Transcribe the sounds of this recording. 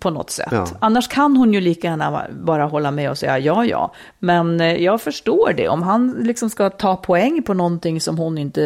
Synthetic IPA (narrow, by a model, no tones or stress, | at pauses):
pʰɔnɔ̰t̪ːsɛ̰t̪ːanːaʂkʰanhʊnjɵliːkajæːɳa̰bɑːɾaɦɔlːamɛɔsɛjːa̰jɑːjɑ̰ː | mɛnjɑːɡfœʂʈoːɖɛ̰ʔɔ̰mɦanlɪksɔmskat̪ʰɑːpʰɔɛŋːpʰɔnɔnt̪ɪŋːsɔmhʊnɪnt̪ə